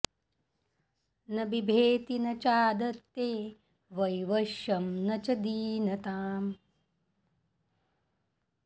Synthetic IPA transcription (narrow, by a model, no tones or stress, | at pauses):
nɐbibʱeːt̪inɐt͡ʃaːd̪ɐt̪ːeː | ʋɐjʋɐʃjɐmnɐt͡ʃɐd̪iːnɐt̪aːm